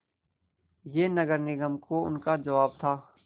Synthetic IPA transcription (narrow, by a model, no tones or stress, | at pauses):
jeːnɐɡəɾnɪɡəmkoʊ̰nkad͡ʒɐʋaːb̚t̪ʰaː